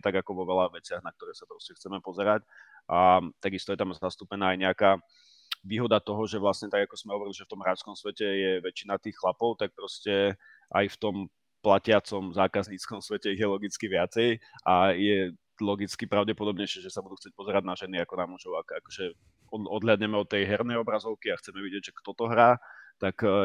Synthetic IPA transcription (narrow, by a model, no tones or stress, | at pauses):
t̪aɡakɔʋɔʋɛlaʋɛt͡sɪaɣnak̚t̪ɔɾɛːsapɾɔscɛxt͡sɛmɛpɔzɛɾac | ʔat̪aɡist̪ɔjɛt̪amzast̪uːpɛnaːjɲɛakaː | ʋiːɦɔd̪at̪ɔɦɔʒɛʋlasɲɛt̪aɡakɔz̥mɛɦɔʋɔɾiliʒɛft̪ɔmɦɾaskɔmsʋɛcɛjɛʋɛt͡ʃinat̪iːxxlapɔʊt̪ak̚pɾɔscɛ | ʔa̰jft̪ɔm | placɪat͡sɔmzaːkazɲiːt͡skɔmsʋɛcɛiɣjɛlɔɡit͡skiʋɪat͡sɛjʔajɛ | lɔɡit͡skipɾaʊɟɛpɔd̪ɔbɲɛjʃɛʒɛsabud̪uxt͡sɪɛc̚pɔzɛɾaɟnaʒɛniakɔnamuʒɔʊakakɔ̥ʒɛ | ɔɔd̪ɦlad̪ɲɛmɛɔt̪ːɛjɦɛɾnɛjɔbɾazɔʊkiaxt͡sɛmɛʋiɟɪɛɟʒɛkt̪ɔt̪ɔɦɾaːt̪ak